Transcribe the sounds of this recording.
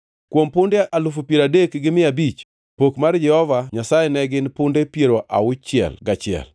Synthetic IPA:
kwompʊndeʔalʊfupjeɾadekɡɪmɪabit͡ʃ | pokmard͡ʒɛhɔvaɲasajɛnɛɡɪnpʊndepjeɾoʔa̰ʊt͡ʃːɪɛ̰lɡat͡ʃɪɛ̰l

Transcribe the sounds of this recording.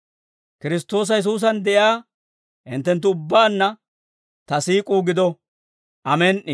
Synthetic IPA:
kɪɾɪst̪o̞ːs̬ɐjɛs̬uːs̬ɐnd̪ɛʔjɪaː | hɪnt̪ːɛnt̪̬ːʊʊbːaːnːɐ | t̪ɐsiːkʼuːɡɪd̪ɔ | ʔɐmɛːnʔɪ

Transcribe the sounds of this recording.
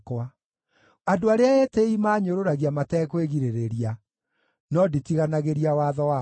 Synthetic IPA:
kwa | adoaɾeaɛteimaːɲoɾoɾaɣiamatɛkweɣiɾeɾeɾia | nɔditiɣanaɣeɾiawaðɔwa

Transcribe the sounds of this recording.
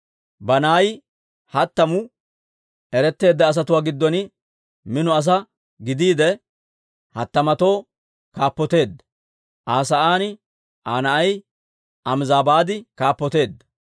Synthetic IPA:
bɐnaːj | hɐt̪ːɐmʊ | ɛɾɛt̪ːe̞ːd̪ːɐːs̬ɐt̪ʊwaːɡɪd̪ːɔnɪ | mɪnʊɐs̬ɐ | ɡɪd̪iːd̪ɛ | hɐt̪ːɐmɐt̪o̞ː | kaːpːɔt̪e̞ːd̪ːɐ̥ | ʔaːsɐʔaːn | ʔaːnɐʔɐj | ʔɐmzaːbaːd̪ɪkaːpːɔt̪e̞ːd̪ːɐ̥

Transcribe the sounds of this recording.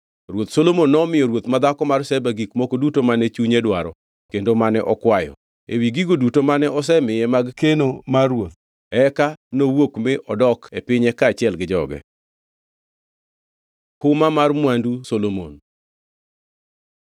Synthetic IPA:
rwot̪solomonːɔmɪjɔɾwot̪mad̪akɔmarsɛbaɡikmokodutomanɛt͡ʃuɲedwaɾɔ | kendomanɛʔɔkwajɔ̰ | ḛwiɡiɡodutomanɛɔs̬ɛmɪjɛmaɡkenomarwot̪̚ | ɛkanowokmɪʔɔdɔkepɪɲɛkaːt͡ʃɪɛlɡɪd͡ʒɔɡɛ̰ | kʊmamarmwandusolomo̰n

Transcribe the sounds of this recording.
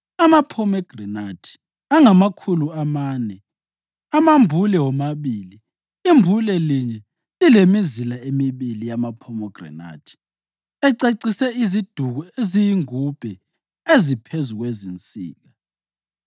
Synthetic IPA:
amapʰɔmɛɡ̥rɛnatʰi̥ | aŋamakʰuluamaːnɛ | amambʱulɛwɔmaβiːli | imbʱulɛliɲɛ | lilemizilaemiβilijamapʰɔmɔɡ̥rɛ̰na̰tʰi̥ | ɛǀeǀisɛizid̥ʱuɣɔezijiŋub̥ʱɛ | ezipʰezuɣwezint͡sʼḭːɣa

